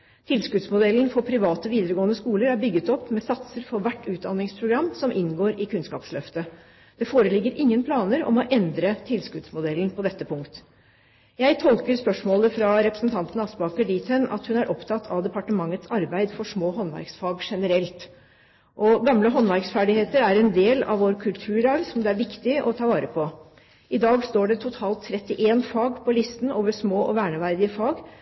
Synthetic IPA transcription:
t̪ʰɪlskʉd̪smʊd̪ɛlːnfɔpʰɾɪʋɑːt̪ɔʋiːd̪əɾəɡoːənəskuːləɾæɾbʏɡːət̪ɔpːmɛsɑt̪səɾfɔʋæʈːʉːt̪̚d̪ɑnːɪŋspʰɾʊɡɾɑmːsɔmʔɪnɡoːɾɪkʰʉnskɑ̰ːpslœft̪ə | d̪̥ɛfoːɾəlɪɡːəɾʔɪŋːənpʰlɑːnəɾɔ̰mɔʔɛnd̪ɾət̪ʰɪlskʉd̪smʊd̪ɛlːn̩pʰɔd̪ɛt̪ːəpʰʊŋkt̪ | jæɪt̪ʰɔlkəɾspœʂmoːləfɾɑɾɛpɾə̥snt̪ʰɑnt̪nɑsbɑkəɖiːt̪ʰənɑ̰t̪hʉnæɾʔɔpt̪ʰɑt̪ːʰɑʋd̪ɛpɑʈəmɑŋːət̪sɑɾbæɪd̪fɔʂmoːɦɔnʋæ̰ɾksfɑːɡʂɛnəɾɛlt̪ | ʔɔɡɑmləɦɔnʋæɾksfæɖɪheːt̪əɾæɾɛnd̪eːlɑ̰ʋoːɾkʰʉlt̪ʰʉːɾɑːʋsɔmd̪ɛæɾʋɪkt̪ɪʔɔt̪ʰɑːʋɑːɾəpʰɔ | ɪd̪ɑːɡst̪oːɖɛt̪ʰʊt̪ʰɑːlt̪ʰːɾɛt̪ːɪʔeːnfɑːɡpʰɔlɪst̪n̩ʔoːʋəʂmoːʔɔʋæːɳəʋæɾd̪ɪəfɑːɡ

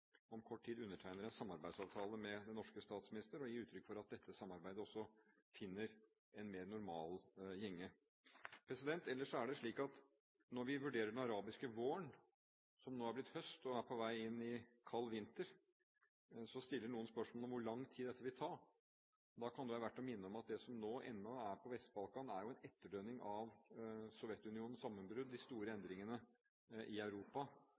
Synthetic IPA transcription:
ɔmkʰɔʈːʈʰiːd̪ʉnːəʈʰæɪnəɾɛnsɑmːɑɾbæɪd̪sɑːʋt̪ʰɑːləmɛd̪ɛnɔʂkəst̪ɑːt̪smɪnɪst̪əɾɔjiːɾʉːt̪ʰɾʏkːfɔɾɑt̪̚d̪ɛt̪ʰːəsɑmːɑɾbæɪd̪əɔsːɔ | fɪnːəɾ | ɛnmeːɾnʊɾmɑ̰ːljɛŋːə | pʰɾɛsɪd̪ɛnt̪ɛlːəʂɔæɖɛʂɭiːkɑt̪ | nɔɾʋɪʋʉɖeːɾəɖɛnɑɾɑːbɪskəʋoːəɳ | sɔmnoːæɾblɪt̪ːhœst̪ɔæɾpʰɔʋæɪɪnːɪkʰɑlːʋɪnt̪əɾ | sɔst̪ɪlːəɳuːənspœʂmolɔmʋʊɭɑŋːt̪ʰiːd̪ɛt̪ːəʋɪlt̪ʰɑːɾ | d̪ɑkʰɑnd̪ʉæɾʋæʈːɔmɪnːəɔmɑt̪̚d̪ɛsɔmnoːʔɛ̰nːɔæɾpʰɔʋɛst̪̚bɑlkɑnæɾjʊɛnɛt̪ːəɖøːnɪŋʔɑʋsɔʋjɛt̪ːʉnɪuːnn̩sɑmːənbɾʉd̪ːɪst̪uːɾəɛnd̪ɾɪŋənə | ʔɪœʉɾuːpɑ

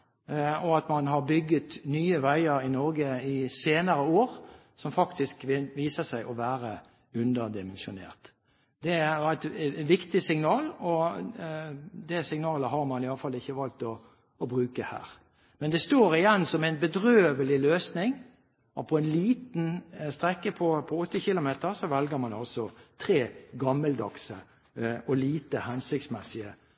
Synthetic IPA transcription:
ɔɑt̪mɑnɦɑɾbʏɡːət̪nyːəʋæɪəɾɪnɔɾɡəɪseːnəɾəoːɾ | sɔmfɑkt̪ɪskʋɪʋiːsəsæɪʔɔʋæːɾə | ʉnd̪əd̪ɪmɛnʃʊnḛːʁt̪ | d̪ɛæɪt̪ʋɪkt̪ɪsɪŋnɑːlɔ | d̪ɛsɪŋnɑːləhɑɾmɑnɪɑlːəfɑlːɪçːəʋɑlt̪ɔ | ɔbʁʉːkəhæ̰ːɾ | mɛnd̪ɛst̪oːɾɪjɛnːsɔmæɪnbəd̪ɾøːʋəlɪløːsnɪŋ | ʔɔpʰɔɛnliːt̪nst̪ɾɛkːəpʰɔpʰɔɔt̪ːəçɪlʊmeːt̪əɾsɔʋɛlɡəɾmɑnɑlsɔt̪ʰɾeːɡɑmːəld̪ɑksə | ɔliːt̪əhɛnsɪk̚t̪smɛsɪə

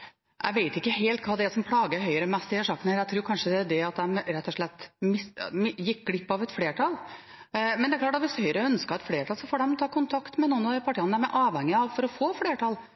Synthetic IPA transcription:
ʔæ̰ɪʋeɪt̪ɪkːəɦeːlt̪̚kʰɑːd̪ɛæsɔmpʰlɑːɡəɦœʏəɾəmɛst̪ɪeːʂɑkːənəhæːɾæɪt̪ʰɾuːɾkʰɑnʂəd̪ɛd̪ɛɑt̪̚d̪ɛɾɛt̪ːɔʂɭɛt̪ːmɪsjɪk̚ːɡɽɪpːɑʋɛt̪fleːʈɑl | mɛnd̪ɛæɾklɑːʈːɑt̪ʋɪshœʏəɾəœnskəɾɛt̪fleːʈʰɑlsɔfoːɖɛmt̪ʰɑːkʊnt̪ʰɑkt̪mɛnuːnɑd̪pʰɑʈʰiːɑnəæɾmɛʔɑːʋhɛŋːɪɑʋfɔɾɔfoːfleːʈʰɑl

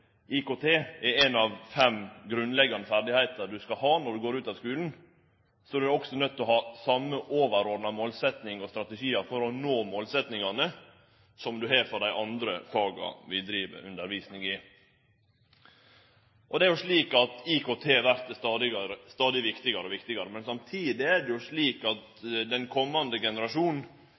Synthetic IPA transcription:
ʔɪkot̪ʰeːɛɾɛnɑʋfɛmɡɾʉnlɛɡːɑnəfæɾɖ̪ɪhæɪt̪əɾɖ̪ʉskɑɦɑːnɔɖ̪ʉɡoːɾʉːt̪ɑʋskʉːln̩ | sɔd̪ʉæɾɔksɔnœt̪ːɔɦɑːsɑmːəʔoːʋəɾɔɖnɑmoːlsɛt̪nɪŋɔst̪ɾɑt̪əʃiːəɾfɔɾɔnoːmoːlsɛt̪nɪŋɑnə | sɔmd̪ʉɦɛɾfɔd̪æɪʔɑnd̪ɾəfɑːɡɑ̰ʋɪld̪ɾiːʋə̰ʔʉ̰nd̪əɾʋiːsnɪŋɪ | ʔɔd̪ɛæɾjʊʂɭiːkɑt̪ikʰoːt̪ʰeːʋæɾt̪əɑd̪ɪɾəst̪ɑːd̪ɪʋɪkt̪ɪɡɑɾəɔʋɪkt̪ɪɡɑɾəmɛnsɑmt̪ʰiːd̪ɪædɛjʊʂɭiːkɑt̪ | d̪ɛnkʰɔmːɑnd̪əɡɛnəɾɑʂuːnn̩

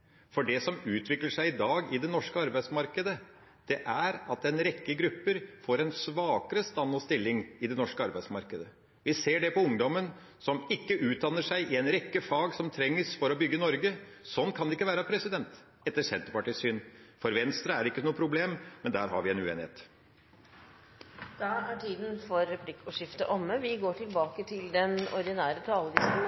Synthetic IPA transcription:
fɔɖɛsɔmʉːt̪ʰʋɪkləʂæɪɪd̪ɑːɡɪd̪ɛnɔʂkəɑɾbæɪsmɑɾkəd̪ə | d̪̥ɛʔæɾɑt̪ɛnɾɛkːəɡɾʉpːəɾfoːɾɛnsʋɑːkəɾəst̪ɑnːɔst̪ɪlːɪŋɪd̪ɛnɔʂkəɑɾbæɪd̪smɑɾkəd̪ə | ʋɪseːɖɛpɔʊŋd̪ɔmən | sɔmɪkːəʔʉːt̪̚d̪ɑnːəʂæɪʔɪɛnɾɛkːəfɑːɡsɔmt̪ʰɾɛŋːəsfɔɾɔbʏɡːənɔɾɡəsɔnːkʰɑnd̪ɛɪkːəʋæːɾəpʰɾɛsɪd̪ɛnt̪ | ɛt̪ːəʂɛnt̪əɾpɑʈiːsyːnfɔɾʋɛnst̪ɾəæɾɪkːənuːəpʰɾʊbleːmmɛnd̪æːɾɦɑ̰ɾʋɪɛnʉḛːnɪhḛːt̪ | d̪̥ɑæʈʰiːd̪n̩fɔɾɛpʰlɪkːɔʂɪft̪əʔɔmːəʋɪɡoːʈʰɪlbɑːkət̪ʰɪld̪ɛnɔ̰ɾd̪ɪnæːɾət̪ʰɑːləʋɪsu

